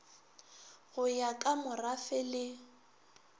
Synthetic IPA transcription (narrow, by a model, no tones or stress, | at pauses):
ɣʊjakʼamʊrafɛlɪ